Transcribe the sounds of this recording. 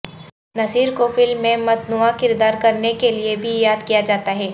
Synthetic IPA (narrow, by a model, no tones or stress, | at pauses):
nɐsiːɾkofɪlmːẽmɐt̪nʊakɪɾd̪aːɾkɐɾnekeliebʱijaːd̪kijad͡ʒaːt̪aɦɛː